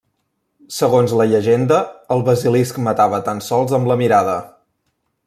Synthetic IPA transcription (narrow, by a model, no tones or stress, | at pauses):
səɣonzləʎəʒend̪əːlˠβəziliskmət̪aβət̪ansɔlˠzəmləmiɾaðə